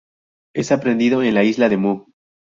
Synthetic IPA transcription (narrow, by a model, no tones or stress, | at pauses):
e̞sapɾe̞nd̪iðo̞enlaizlaðe̞mu